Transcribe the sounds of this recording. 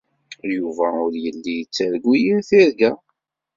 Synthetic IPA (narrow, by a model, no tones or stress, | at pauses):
juvæʊɾjəlːijət͡sːæɾɡʷːijimθiɾɡæ